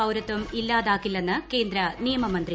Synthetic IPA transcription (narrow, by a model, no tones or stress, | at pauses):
ɐwɾɐt̪ːʋɐmilːaːðaːkːilːenːɨke̞ːnd̪ɾɐnijɐmɐmɐnd̪ri